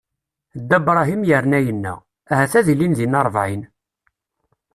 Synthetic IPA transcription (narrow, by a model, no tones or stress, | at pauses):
d̪ːæbɾˤɑɦimjəɾnæjənːæ̰ | æhæθæðilinðinɑɾˤvʕin